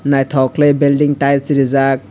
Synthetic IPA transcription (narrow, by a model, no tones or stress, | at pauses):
najt̪ʰɔklejbildiŋʈajsɾizak̚